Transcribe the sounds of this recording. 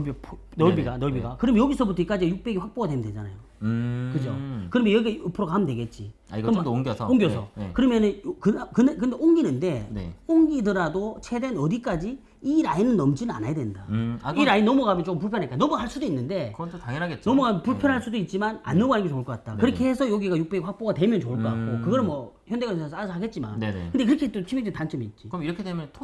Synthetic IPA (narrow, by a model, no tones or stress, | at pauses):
bpʰ | nʌɭbiɡanʌɭbiɡakɯɾʌmjnjʌɡisʰʌbutʰʌik͈ad͡ʑijuk̚p͈e̞ɡiɸak̚p͈oɡadwemjʌndwed͡ʑana̰jo | kɯd͡ʑokɯɾʌmjʌjʌɡieʌpʰɯɾokaɦamɯndwe̞ɡe̞t̚t͡ɕ͈i | a̰iɡŋɡjʌsʰoŋɡjʌsʰʌkɯɾʌmjʌnɯnkɯkɯnek̬ɯndeʔoŋɡinɯnde̞nḛoŋɡidɯɾadot͡ɕʰedenʌdik͈ad͡ʑi | iɾainɯnːʌmd͡ʑinɯna̰najadwe̞ndaiɾainnʌmuɡamjʌnt͡ɕok͈ɯmp̬uɭpʰjʌnɦekanʌmuhaɭs͈udoinːɯnde̞kɯtʰotaŋjʌnaɡet̚t͡ɕnʌmuapuɭpʰjʌnɦaɭs͈udoit̚t͡ɕ͈imana̰nːɯɡoaɲiɡet͡ɕoɯɭk͈ʌk͈at̚t͈akɯɾʌkʰeɦesʰʌjoɡiɡajuk̚p͈eɸak̚p͈oɡadwe̞mjʌnt͡ɕouɭk͈ʌk͈a̰k̚k͈okɯɡʌɾɯnmwʌçjʌnde̞ɡʌsasʰɦaɡe̞t̚t͡ɕ͈ima̰n̰kɯndekɯɾʌkʰet͈ot͡ɕʰimed͡ʑintant͡ɕ͈ʌmiːt̚t͡ɕ͈ikɯʌmiɾʌkʰedemʌntʰ